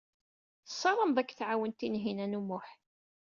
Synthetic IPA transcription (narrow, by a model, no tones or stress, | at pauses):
θəsˤːɑɾˤəmðˤækːθʕawənt̪inɦinænumʊħ